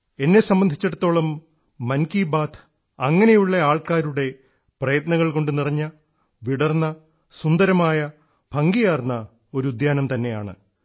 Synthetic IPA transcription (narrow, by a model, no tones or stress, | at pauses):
e̞nːe̞sɐmbɐnd̪ʱit͡ɕːɐɽɐt̪ːo̞ːɭɐmː | ɐnkibaːt̪ʰ | ɐŋːɐne̞juɭːɐaːɭkaːɾuɽe̞ | prɐjɐt̪nɐɣɐɭko̞ɳɖɨnirɐɲːɐ | ʋiɽɐrnːɐ | sund̪ɐɾɐmaːjɐ | bʱɐŋɡijaːrnːɐ | o̞ɾuud̪jaːnɐmt̪ɐnːe̞ja̰ːɳɨ̰